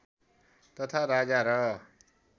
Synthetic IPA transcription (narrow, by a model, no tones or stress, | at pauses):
t̪ʌt̪ʰaɾad͡zaɾʌ